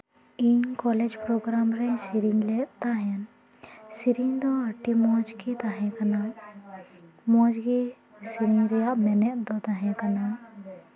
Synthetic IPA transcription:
iɲkɔlɛd͡ʒpɾɔɡɾamɾɛsiɾiɲlɛʔt̪aɦɛn | siɾiŋd̪ɔaʈimɔd͡ʒkit̪aɦɛ̃kana | mɔd͡ʒki | siɾiŋɾɛjaʔmɛnɛʔd̪ɔt̪aɦɛ̃kana

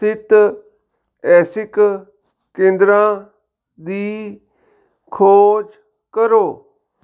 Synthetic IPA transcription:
tɪt̪ | ɛːsɪk | kẽːnd̪ɾãː | d̪iː | kʰoːd͡ʒ | kəɾoː

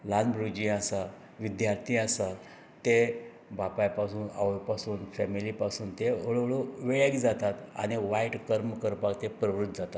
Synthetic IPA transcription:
lanbɾud͡ʑĩasa | ʋid̪jaɾt̪ʰiasa | t̪e | bapajpasuːna̰ʋjpasuːnfɛmilipasuːnt̪eoɭɭoʋeɭekd͡zat̪at̪a̰ɽ̃iʋaiʈkəɾməkəɾpakt̪epɾəʋɾut̪ːd͡zat̪at̪

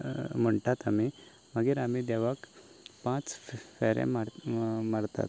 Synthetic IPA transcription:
m̤əɳʈat̪ami | məɡiːɾamid̪ɛʋak | pãt͡sffeɾḛ̃maɽmaɽt̪a̰t̪

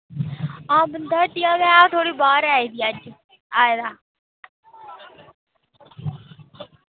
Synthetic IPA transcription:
ãːbənd̪aːʈ̪iaːɡaːãːt̪ʰoːɽiːbaːɾaːid̪iːəd͡ʒ | aːjd̪aː

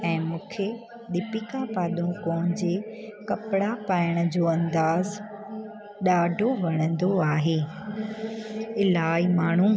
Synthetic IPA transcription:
ɛ̃ːmũːkʰe | ɗɪpikapaːɗ̪ũkɔ̃ːɦɪ̃d͡ʑekɐpɪɽapaːɪəɽ̃ə̆d͡ʑoːɐ̃nd̪aːz | ɗaːɖʱoʋɐɽ̃ə̃nd̪oaːɦeː | ɪlaːimaːɳ̤ũ

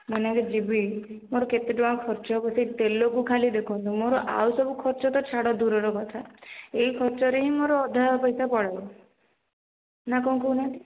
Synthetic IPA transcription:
manakɔd͡ʒibi | moɾɔket̪ed͡ʒɔ̃ãkʰɔɾt͡ʃɔpɔsit̪elːokukʰalid̪ekʰɔnt̪ũmoɾɔʔa̰wsɔbukʰɔɾt͡ʃɔt̪ɔt͡ʃʰaɽɔd̪uɾɔɾɔkɔt̪ʰaeɦikʰɔɾt͡ʃɔɾeɦĩmoɾɔːd̪ʱapɔjsapɔɽajɔ | nakɔ̃kunat̪i

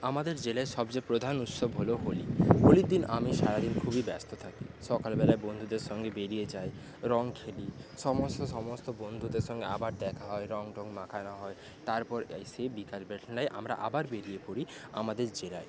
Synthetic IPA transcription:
amad̪eɾd͡ʑelaeʃɔbd͡ʑapɾod̪ʱanut̪sobɦoloɦoliɦoliɾd̪inʔamiʃaɾad̪inkʰubibɛst̪ot̪ʰakiʃɔkalbɛlaebond̪ʱud̪eɾʃɔŋɡebeɾijed͡ʑae | ɾɔŋkʰeliʃɔmost̪oʃɔmost̪obond̪ʱud̪eɾʃɔŋɡḛa̰baɾd̪ɛkʰaɦɔeɾɔŋʈɔŋmakʰanaɦɔe | t̪aɾpɔɾsebikalbeʈʰnajʔa̰mɾa̰ʔa̰baɾbeɾiepoɾia̰mad̪eɾd͡ʑelae

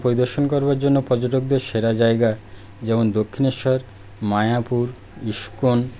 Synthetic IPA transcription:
poɾid̪oɾʃonkoɾbaɾd͡ʑonːopɔd͡ʑoʈoɡ̚d̪eɾʃeɾad͡ʑaeɡa | d͡ʑɛmond̪okʰːineʃaɾ | maeapuɾ | iʃkon

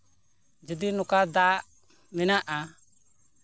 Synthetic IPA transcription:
d͡ʒud̪inʊkad̪aʔ | mɛnaʔa

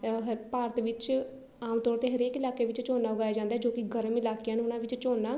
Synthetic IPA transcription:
ɦpaːɾət̪ʋɪt͡ʃ | aːmt̪ɔːɾt̪eːɦəɾeːkɪlaːkeːʋɪt͡ʃt͡ʃoːnaːʊɡaːjaːd͡ʒãːnd̪aɦɛːd͡ʒoːkɪɡəɾəmɪlaːkejãːnũːʊnãːʋɪt͡ʃt͡ʃoːnːaː

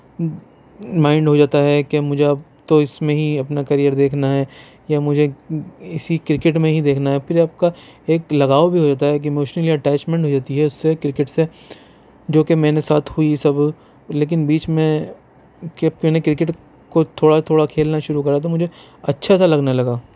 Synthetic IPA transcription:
mãːɪ̃ɳɖɦod͡ʒaːt̪aɦɛkemʊd͡ʒʱeɐp | t̪oɪsmẽɦiɐpnakɐɾijəɾd̪eːkʰnaɦɛ | jamʊd͡ʒʱeɪsikɾɪkɪʈmẽɦid̪eːkʰnaɦɛpʰɪɾaːp̚kaeːklɐɡaːobʱiɦod͡ʒaːt̪aɦɛk̬iemoːʃnəliɛʈɛːt͡ʃmɛ̃ɳʈɦod͡ʒaːt̪iɦɛʊsːekɾɪkɪʈse | d͡ʒoːkemɛ̃ːnesaːt̪ʰhuisɐb | leːk̬ɪnbiːt͡ʃmẽ | kːkmɛːnekɾɪk̬ɪʈ | kot̪ʰoːɽat̪ʰoːɽakʰeːlnaʃʊɾukɐɾat̪̬omʊd͡ʒʱe | ɐtːʃʰasalɐɡnalɐɡaː

